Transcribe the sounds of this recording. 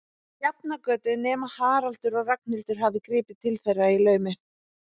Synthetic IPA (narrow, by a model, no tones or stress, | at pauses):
jap̚nakœːt̪ʏnɛːmahaːɾal̥t̪ʏɾɔɣrak̚nɪlt̪ʏɾ̥ɦavðɪkɾɪːpɪt̪ʰɪlθejrːailœːɥmɪ